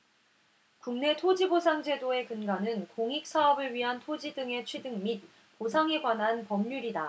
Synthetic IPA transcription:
kuŋne̞tʰod͡ʑibosʰaŋd͡ʑe̞doe̞kɯnɡanɯnkoŋik̚s͈ʰaʌbɯɭɥiɦantʰod͡ʑidɯŋe̞t͡ɕʰwedɯŋmit̚ | posʰaŋe̞ɡwanɦanpʌmɲuɾida

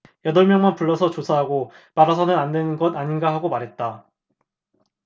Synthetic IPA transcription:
jʌdʌɭmjʌŋmanpuɭːʌs̬ʰʌt͡ɕosʰaɦaɡo | paɾʌs̬ʰʌnɯnandwenɯnɡʌdaɲinɡaɦaɡomaɾɦe̞t̚t͈a

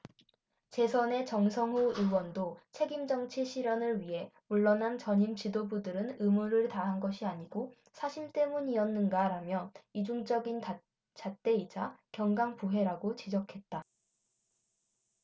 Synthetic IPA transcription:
t͡ɕe̞sʰʌne̞t͡ɕʌŋsʰʌŋɦuɯwʌndot͡ɕʰe̞ɡimd͡ʑʌŋt͡ɕʰeɕʰiɾjʌnɯɭɥiɦe̞muɭːʌnɦant͡ɕʌɲimt͡ɕidobudɯɾɯnɯmuɾɯɭtaɦanɡʌɕʰiaɲiɡo | sʰaɕʰimt͈e̞muɲiʌnːɯnɡaɾamjʌnid͡ʑuŋd͡ʑʌɡin | t͡ɕat͈e̞id͡ʑakjʌŋɡaŋpuɦe̞ɾaɡot͡ɕid͡ʑʌkʰe̞t̚t͈a

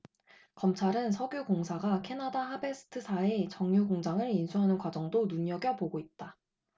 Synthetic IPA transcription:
kʌmt͡ɕʰaɾɯnsʰʌɡjuɡoŋsʰaɡakʰe̞nadahabe̞sʰɯ̥tʰɯsʰait͡ɕʌŋɲuɡoŋd͡ʑaŋɯɾinsʰuɦanɯnkwad͡ʑʌŋdonuɲʌɡjʌpoɡoit̚t͈a

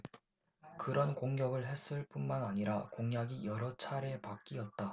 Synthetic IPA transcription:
kɯɾʌnkoŋɡjʌɡɯɭɦe̞s͈ɯɭp͈unmanaɲiɾakoŋjaɡijʌɾʌt͡ɕʰaɾepak͈iʌt̚t͈a

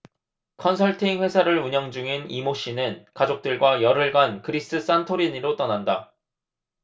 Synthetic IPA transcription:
kʰʌnsʰʌɭtʰiŋɸwe̞sʰaɾɯɭuɲʌŋd͡ʑuŋinimoɕ͈inɯnkad͡ʑok̚t͈ɯɭɡwajʌɾɯɭɡankɯɾiss͈ɯs͈antʰoɾiɲiɾot͈ʌnanda

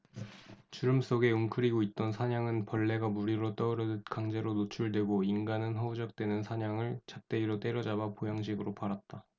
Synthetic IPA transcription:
t͡ɕuɾɯms͈oɡe̞umkʰɯɾiɡoit̚t͈ʌnsʰaɲaŋɯnpʌɭːe̞ɡamuɾiɾot͈ʌɯɾʌdɯtkaŋd͡ʑe̞ɾonot͡ɕʰuɭdwe̞ɡoinɡanɯnɦʌud͡ʑʌk̚t͈we̞nɯnsʰaɲaŋɯɭt͡ɕak̚t͈e̞iɾot͈e̞ɾʌd͡ʑabapojaŋɕ̬ʰiɡɯɾopaɾat̚t͈a

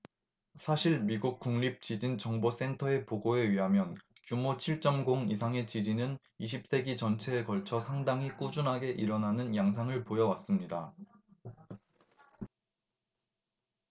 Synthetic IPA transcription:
sʰaɕʰiɭmiɡuk̚k͈uŋɲip̚t͡ɕid͡ʑint͡ɕʌŋbos͈e̞ntʰʌe̞poɡoe̞ɥiɦamjʌnt͡ɕumot͡ɕʰiɭt͡ɕ͈ʌmɡoŋisʰaŋe̞t͡ɕid͡ʑinɯn | iɕ̬ʰip̚s͈e̞ɡit͡ɕʌnt͡ɕʰe̞ːkʌɭt͡ɕʰʌsʰaŋdaŋik͈ud͡ʑunɦaɡe̞ʔiɾʌnanɯnjaŋs̬ʰaŋɯɭpojʌwas͈ɯmɲida

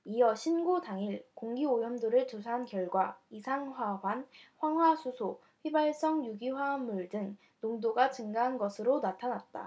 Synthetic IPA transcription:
ijʌɕʰinɡodaŋiɭkoŋɡiojʌmdoɾɯɭt͡ɕos̬ʰankjʌɭɡwaisʰaŋɦwawanɸwaŋɦwasʰusʰo | ɸɥibaɭs͈ʌŋjuɡiɸwamuɭdɯŋ | noŋdoɡat͡ɕɯŋɡaɦanɡʌsʰɯɾonatʰanat̚t͈a̰

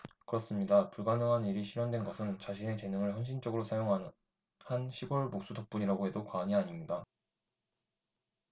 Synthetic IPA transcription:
kɯɾʌs͈ɯmɲidapuɭɡanɯŋɦaniɾiɕʰiɾjʌndwe̞nɡʌsʰɯnt͡ɕaɕ̬ʰine̞t͡ɕe̞nɯŋɯɭçjʌnɕ̬ʰint͡ɕ͈ʌɡɯɾosʰajoŋɦa | hanɕʰiɡoɭmok̚s͈udʌk̚p͈uɲiɾaɡoɦe̞dokwaːɲiaɲimɲida

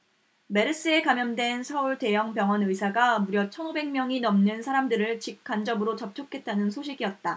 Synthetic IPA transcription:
me̞ɾɯs͈ɯe̞kamjʌndwe̞nsʰʌuɭte̞jʌŋpjʌŋwʌnɯsʰaɡamuɾjʌt͡ɕʰʌnube̞ŋmjʌŋinʌmnɯnsʰaɾamdɯɾɯɭt͡ɕik͈ʰand͡ʑʌmɯɾot͡ɕʌp̚t͡ɕʰokʰe̞t̚t͈anɯnsʰoɕʰiɡiʌt̚t͈a

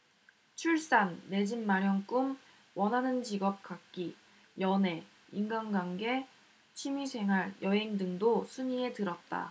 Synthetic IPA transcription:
t͡ɕʰuɭs͈anːe̞d͡ʑinmaɾjʌŋk͈ɯm | wʌnɦanɯnd͡ʑiɡʌp̚k͈ak̚k͈i | jʌne̞ | iŋɡanɡwaŋɡe̞ | t͡ɕʰimisʰe̞ŋɦaɾjʌɦe̞ŋdɯŋdosʰuɲie̞tɯɾʌt̚t͈a̰

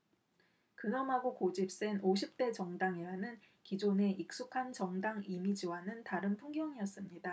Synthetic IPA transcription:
kɯnʌmɦaɡokod͡ʑip̚s͈e̞noɕ̬ʰip̚t͈e̞t͡ɕʌŋdaŋeɦanɯn | kid͡ʑone̞ʔik̚s͈ukʰant͡ɕʌŋdaŋimid͡ʑiwanɯntaɾɯnpʰuŋɡjʌŋiʌs͈ɯmɲida

